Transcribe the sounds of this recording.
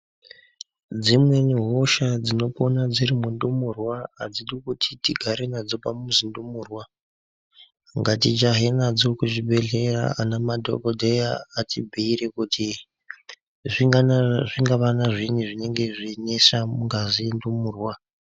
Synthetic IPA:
d͡zimwe̞niɦo̞ʃad͡zino̞ponad͡zirimundumurwaːd͡ziɗikutʰitiɡʱaɾenad͡zo̞pamuzindumuːrwa | ŋɡatit͡ʃaɦenad͡zo̞kuʐibʱe̞ɮera̰anamadʱo̰kodʱejaːtʰibʱiiɾekutʰi | ʐiʐiŋɡaʋanaʐiniʐine̞ŋɡe̞ʐinesamuŋɡazindumurwa

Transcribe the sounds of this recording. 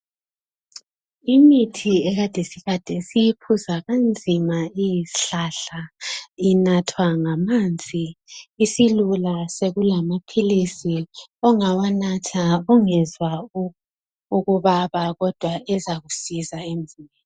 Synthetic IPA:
imitʰiɛɣad̥ʱesiɣad̥ʱɛsijipʰuzaɣand͡zʱimaijiɬaɬainatʰwaŋamand͡zʱiːsilulaseɣulamapʰilisiɔŋawanatʰauŋɛzwa | uɣuβaβaɣɔd̥ʱwaɛzaɣusizaem̩zʱimɛ

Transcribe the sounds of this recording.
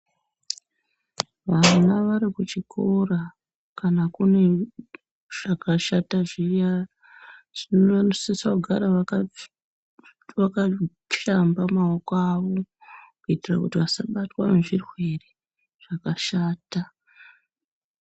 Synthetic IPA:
ʋanaʋaɾikut͡ʃikʰora | kanakune̞ | ʐ̥akaʃataʐija | ʐ̥inoanosisakuɡʱaɾaa | ʋaka | ʃambamaokoaʋo̞kuitirakutiʋasaɓatwa̰neʐirwe̞re | ʐ̥akaʃaːta

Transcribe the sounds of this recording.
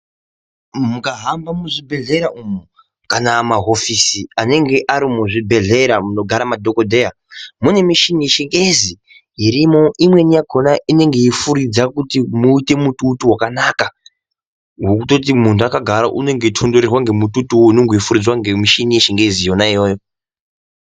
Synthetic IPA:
mukaɦambamuʐibʱe̞ɮe̞ɾaʔumu | kanamaɦo̞fisiane̞ŋɡe̞ʔaɾimuʐibʱe̞ɮe̞ɾamuno̞ɡʱaɾamadʱokodʱe̞ja | mune̞miʃinijeʃeŋɡe̞zi | iɾimo̞ʔimwe̞nijaɡʱo̞naʔine̞ŋɡe̞ifuɾid͡zakutimuite̞mututuwakanaka | wok̬uto̞t̬imuntuakaɡʱaɾaʔune̞ŋɡeitʰo̞ndo̞ɾerwaŋɡe̞mututuwoineŋɡo̞ifuɾid͡zwaŋɡe̞miʃinije̞ʃeŋɡe̞zijo̞naijo̞ːjo̞

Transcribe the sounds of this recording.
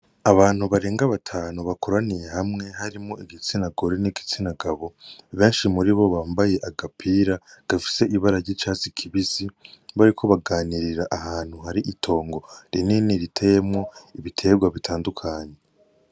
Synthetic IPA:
aβaːn̥huβaɾe̞ːŋɡaβatʰaːnuβakʰoɾanije̞hamŋe̞ɦaɾimŋoiɡit͡sinaɡoɾeniɡit͡sinaɡaβo̞βe̞ːnʃimuɾiβo̞βaːmbaje̞ʔaɡapʰiɾaɡ̥afi̥se̞ʔiβaɾaɾɟit͡ʃaːzikʰiβiziβaɾikʰo̞βaɡaːniɾiɾaʔahaːn̥huɦaɾiʔitʰo̞ːŋɡo̞ɾininiɾitʰejemŋo̞iβitʰe̞ɡwaβitʰaːndukʰaːɲe̞

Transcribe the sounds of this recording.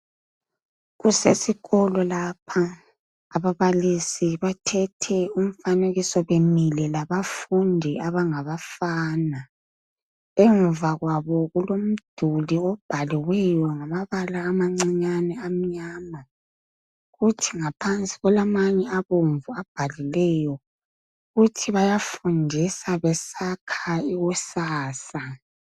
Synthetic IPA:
ɣusesiɣɔlɔlapʰa | aβaβalisiβatʰɛtʰɛum̩faneɣisɔβemilɛlaβafundʱiaβaŋaβafaːna | ɛɱvaɣwaβɔɣulom̩d̥ʱuliɔb̥ʱaliwɛjɔŋamaβalaːmaŋ͡ǀiɲanɛam̩ɲaːma | ɣutʰiŋapʰant͡sʼi̥ɣɔlamaɲɛaβoɱvuab̥ʱalilɛjɔ | ɣutʰiβajafundʱisaβɛsakʰaiɣusaːsa

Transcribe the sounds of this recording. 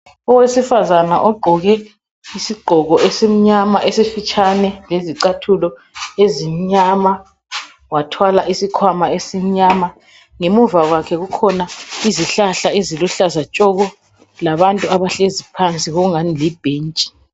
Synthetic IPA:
ɔwesifazanaʔɔɡ͡ǃʱɔɣɛ | isiɡ͡ǃʱɔɣɔʔesem̩ɲamaʔesifit͡ʃʰʼanɛleziǀatʰulɔ | ezim̩ɲama | watʰwalaʔisikʰwamaesim̩ɲama | ŋemuvaɣwakʰɛɣukʰɔnaiziɬaɬaeziluɬazat͡ʃʼɔɣɔ | laβantʼuaβaɬezipʰant͡sʼiɣɔɣuŋanilib̥ʱeːnt͡ʃʼi̥

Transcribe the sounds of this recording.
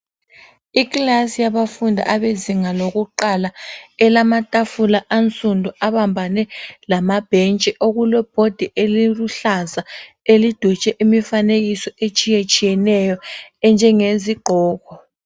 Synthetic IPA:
iklasijaβafundʱa̰ʔaβeziŋaloɣuǃalaɛlamatʼafulaʔant͡sʼundʱuaβambʱanɛlamab̥ʱɛnt͡ʃʼɛʔoɣulɔb̥ʱod̥ʱiʔeliluɬaza | elid̥ʱut͡ʃʼɛʔimifaneɣ̬isɔet͡ʃʼijet͡ʃʼijɛnɛjɔɛnd͡ʒʱɛŋeziɡ͡ǃʱɔːɣɔ

